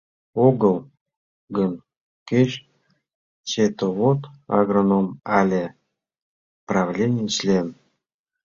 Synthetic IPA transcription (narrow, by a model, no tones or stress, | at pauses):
oɡəlˠ | ɡən | keɕ | t͡ɕet̪ovot̪ɑ̰ɣronomalʲe | prɑvlʲenʲiɕlʲen